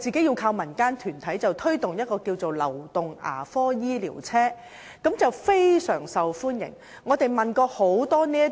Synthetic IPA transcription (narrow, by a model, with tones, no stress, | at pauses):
t͡siː˨ke˨˥ji˧wkʰaː˧wmɐ˨˩nkaː˥nt̪ʰyː˨˩nt̪ʰɐ˨˥jt͡sɐ˨wt̪ʰɵ˥ɥt̪ʊ˨ŋjɐ˥t̚kɔː˧ki˧wt͡so˨wlɐ̰˨˩wt̪ʊ˨ŋa̰ː˨˩fɔː˥jiː˥lḭː˨˩wt͡sʰɛː˥ | kɐ˨˥mt͡sɐ˨wfe˥jsœː˨˩ŋsɐ˨wfuː˥njɪ̰˨˩ŋ | ŋɔː˨˧t̪e˨jmɐ˨nkɔː˧ho˨˥wt̪ɔː˥niː˥